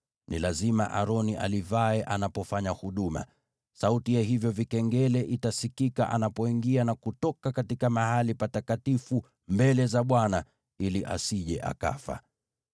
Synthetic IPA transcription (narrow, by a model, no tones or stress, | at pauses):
nilazima̰ʔa̰ɾɔniʔa̰livaɛʔanapɔfaɲahuɗuma̰ | sautijaɦivjɔvikɛŋɡɛlɛʔitasikika̰ʔa̰napɔiŋɡianakutɔkakatikamahalipatatkatifu | mbɛlɛzaɓwana | iliʔa̰siʄɛʔa̰ka̰fa̰